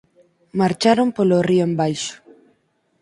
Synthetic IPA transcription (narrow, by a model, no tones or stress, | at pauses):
maɾt͡ʃaɾompolorioembajʃʊ̥